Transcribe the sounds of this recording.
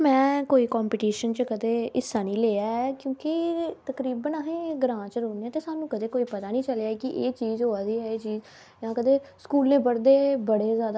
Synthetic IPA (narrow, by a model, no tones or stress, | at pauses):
mɛ̃ːkoːiːkɔːmpɪːʈiːʃənt͡ʃəkəd̪eːɪsːaːnĩːleːaːɛːkjõːkɪt̪əkɾiːbənəɦẽːɡɾãːt͡ʃəɾoːneːɛːt̪eːsaːnũːkəd̪eːkoːiːpət̪aːnĩːt͡ʃəlejaːkɪʔeːt͡ʃiːzɦoːaːd̪iːɦɛːeːt͡ʃiːz | jãːkəd̪eːskuːlnẽːpəɽd̪eːbəɽeːzjaːd̪a